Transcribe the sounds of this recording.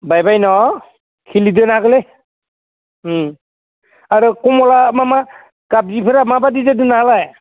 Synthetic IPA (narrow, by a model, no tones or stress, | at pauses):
bajbajnɔ | kʰilidɯnaɡɯle | aɾɯkɔmɔlamama | kab̚zipʰɯɾamabadidadɯnaalaj